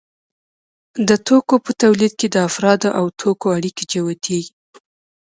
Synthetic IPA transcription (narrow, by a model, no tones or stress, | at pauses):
d̪ət̪okopət̪awlid̪̚ked̪əafɾɑd̪oʔawt̪ʰokoaɽiked͡ʒawat̪ʰeɡi